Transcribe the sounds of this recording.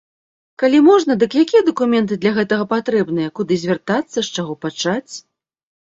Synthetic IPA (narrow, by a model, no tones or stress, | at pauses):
kalʲimɔʐnɐd̪ɨkjakʲijɐd̪ɐkumʲɛnt̪̬ɨd̪lʲɐɣɛt̪ɐɣɐpat̪ɾɛbnɨjɛkud̪ɨzʲvʲɛrt̪at̪sːɐʂt͡ʂaɣɔpat͡ʂat͡sʲ